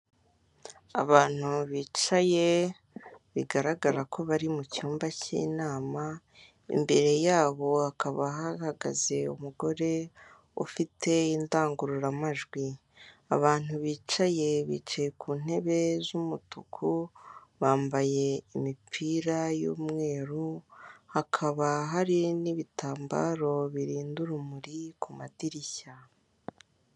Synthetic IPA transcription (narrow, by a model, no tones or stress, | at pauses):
a̰βaːn̥huβiːt͡ʃaje̞ | βiɡaɾaɡaɾakʰo̞βaɾimucuːmbacḭːnaːma | ḭmbe̞ɾe̞jaːβo̞akaβaɦaɾaɡa̰ze̞umuɡo̞ɾe̞ | ṵfitʰe̞indaːŋɡuɾuɾamaʒɡwi | a̰βaːn̥uβiːt͡ʃaje̞βḭːt͡ʃajekʰuːn̥he̞βe̞zumutukʰuβaːmbaje̞imipʰiːɾajṵːmŋe̞ːɾuhakʰaβaɦaɾiniβitʰaːmba̰ːɾo̞βiɾiːnduɾumuɾikʰumadiɾiça